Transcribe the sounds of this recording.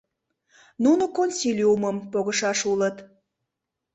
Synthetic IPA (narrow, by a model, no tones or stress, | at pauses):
nunokonʲsʲilʲuməmpoɣəʃɑʃulət̪